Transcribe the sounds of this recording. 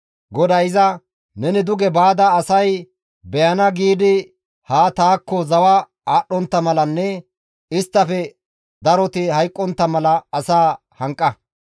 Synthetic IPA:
ɡɔd̪ɐjɪzɐ | nɛnɪd̪ʊɡɛbaːd̪ɐːsɐj | bɛjɐnɐɡiːd̪ɪ | haːt̪aːkːɔzɐwɐ | aːɗːɔnt̪ːɐmɐlɐnːɛ | ɪst̪ːɐfɛ | d̪ɐɾɔt̪ɪhɐjkʼːɔnt̪ːɐmɐlɐːsaː | hɐŋkʼːɐ

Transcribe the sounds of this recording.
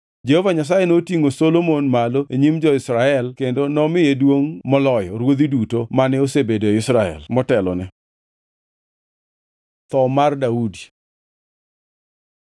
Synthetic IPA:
d͡ʒehovaɲas̬ajenotiŋosolomonmaloeɲimd͡ʒɔɪsɾaɛlkendonɔmɪjedwoŋmɔlɔjɔɾwod̪idutomanɛosebedoeɪsɾaɛ̰lmɔtɛlɔ̰nɛ | t̪ɔmardaudi

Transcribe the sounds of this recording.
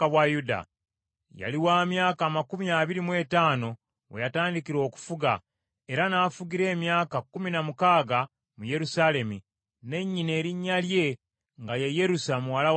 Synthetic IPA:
awajuda̰ | ja̰liwaːmjaːkaːmakumiaːβiɾimwe̞taːno̞ | wḛjataːndikiɾo̞ːku̥fuɡa | e̞ɾanaːfuɡiɾe̞ːmjaːkakːuminamukaːɡa | muje̞ɾusale̞mi | ne̞ɲːine̞ːɾiɲːalje̞ | ŋɡajeje̞ɾusamuwalaw

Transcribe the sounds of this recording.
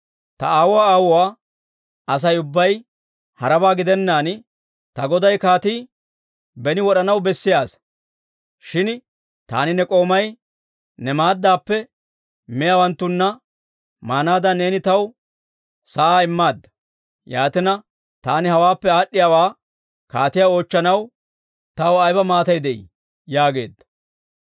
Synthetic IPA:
t̪ɐaːwʊwaːaːwʊwaː | ɐs̬ɐjʊbːɐj | hɐɾɐbaːɡɪd̪ɛnːaːn | t̪ɐɡɔd̪ɐjkaːt̪iː | bɛnɪwɔɗɐnɐwbɛsːɪjaːs | ʃɪn | t̪a̰ːnɪnɛkʼo̞ːmɐj | nɛmaːd̪ːaːpːɛ | mɛjawɐnt̪ːʊnːɐ | maːnaːd̪ɐne̞ːnɪt̪ɐw | sɐaːɪmːaːd̪ːɐ̥ | jaːt̪ɪnɐ | t̪aːnɪhɐwaːpːɛaːɗːɪjaːwaː | kaːt̪ɪjao̞ːt͡ʃːɐnɐw | t̪ɐwɐjbɐmaːt̪ɐjd̪ɛʔḭ | jaːɡe̞̰ːd̪ːɐ

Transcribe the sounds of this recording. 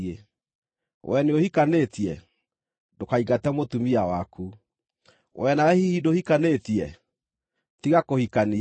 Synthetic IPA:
e | wʔɛneohikanetiɛ | dokaiɣatɛmotumiawaku | wʔɛnaehihidohikanetiɛ | tiɣakohikani

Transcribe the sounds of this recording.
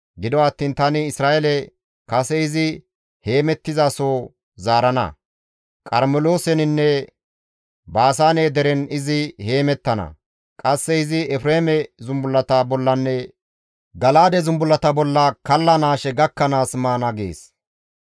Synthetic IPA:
ɡɪd̪ɔɐt̪ːiːnt̪ɐnɪɪsɾaːʔɛlɛ | kɐsɛɪzɪ | he̞ːmɛt̪ːɪzasoː | zaːɾɐnɐ̰ | kʼɐɾmɛloːsɛnɪnːɛ | baːs̬aːneːd̪ɛɾɛnɪzɪhe̞ːmɛt̪ːɐnɐ̰ | kʼɐsːɛɪzɪɛfɾeːmɛzʊmbʊlːɐt̪ɐbɔlːɐnːɛ | ɡɐlaːd̪ɛzʊmbʊlːɐt̪ɐbɔlːɐkɐlːɐnaːʃɛɡɐkːɐnaːsmaːnɐɡḛːs

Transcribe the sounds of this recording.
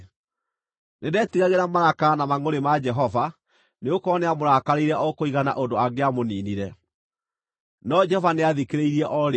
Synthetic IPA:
nedɛtiɣaɣeɾamaɾakanamaŋoɾemad͡ʒɛɦɔva | neokɔneamoɾaːkaɾeiɾɛʔɔkoiɣana̰ʔondoaɣeamoniːniɾɛ | nɔd͡ʒɛhɔvaneaðikeɾeiɾiɛʔɔɾ

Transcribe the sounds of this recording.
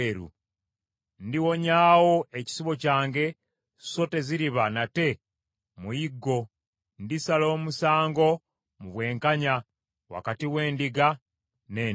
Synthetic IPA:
eɾṵ | ndiwo̞ɲaːwo̞eci̥siβo̞caːŋɡe̞ | so̞te̞ziɾiβanate̞ | mujiɡːo̞ | ndisalo̞ːmusaːŋɡo̞ | muβwe̞ːŋkaɲa | wa̰katiwe̞ːndiɡa | neː

